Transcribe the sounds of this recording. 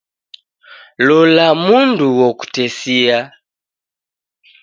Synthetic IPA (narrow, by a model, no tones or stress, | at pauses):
lɔlamunduwɔku̥tɛsia